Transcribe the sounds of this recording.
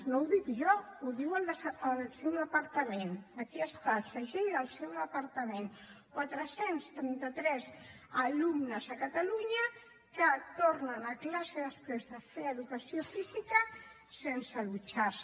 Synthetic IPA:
nõwðik̪ʒɔuðiwələsewðəpaɾt̪əmẽnəkiəst̪asəʒejəlˠsewðəpaɾt̪əmenkwat̪ɾəsenst̪ɾɛnt̪ət̪ɾɛz | alumnəzakat̪aluɲə | kət̪oɾnənaklaseðəspɾezðəfeəðukɐsiofizikə | sensəðut͡ʃas

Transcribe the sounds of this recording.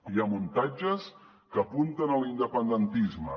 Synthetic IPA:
jamunt̪ad͡ʒəs | kəpunt̪ənəlind̪əpənd̪ənt̪izmə

